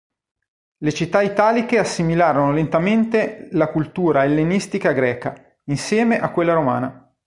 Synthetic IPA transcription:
let͡ʃit̪ːait̪aːlik̟easːimilaːɾonolent̪ament̪elakult̪uːɾaelːenist̪ikaɡɾɛːka | insjɛːmeʔakːwelːaɾoma̰ːna

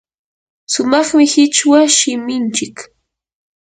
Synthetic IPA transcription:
sʊmɑχmɪhɪt͡ʃwaʃɪmɪnt͡ʃɪk

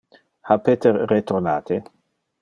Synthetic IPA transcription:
hapet̪eɾːet̪ornaːt̪e

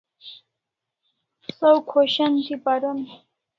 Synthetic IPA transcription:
sowkʰoɕant̪ipaɾun

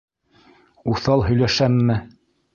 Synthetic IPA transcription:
uθɑlˠɦɵ̆jlæʃæmːɘ

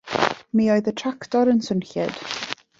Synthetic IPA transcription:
miːoɨðətʰraktɔɾənsənɬɛd̥

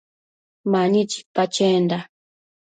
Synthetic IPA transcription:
maɲit͡ʃi̥pat͡ʃend̪a

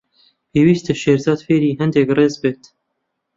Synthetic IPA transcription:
pʰeːwiːst̪ɨʃeːɾzɑːd̪feːɾiːɦɨnd̪ɛkreːzbeːt̪

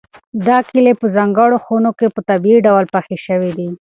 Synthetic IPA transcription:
d̪ɑkilepəzɑŋɡəɽoxonokepət̪abiiɖawlpaxeʃəwid̪i

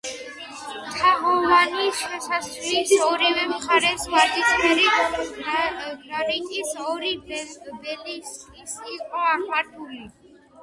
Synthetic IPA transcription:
t̪ʰaɦɔvaniʃɛsaslisɔɾivɛmχaɾɛswaɾt̪ʼismɛɾi | ɾaɾikʼisɔɾibɛlisisːqʼɔakmat̪ʰuli

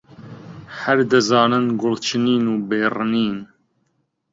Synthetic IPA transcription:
hæɾd̪ɨzɑːnɨnɡʊlt͡ʃʰɨniːnuːbeːrɨniːn

